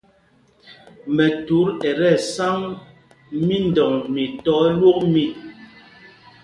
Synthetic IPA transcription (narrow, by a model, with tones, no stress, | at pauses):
mɛ˨tu˨˦ɾɛ˨ɾɛ˦˨sa˦ŋ | mi˦n˨dɔ˨ŋmi˨tɔ˦lwo˦k̚mi˦˨